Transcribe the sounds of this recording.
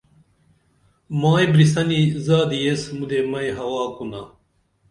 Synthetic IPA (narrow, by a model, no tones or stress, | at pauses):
maːibɾisɐnizaːd̪ijesmud̪emɐjɦɐwaːkuna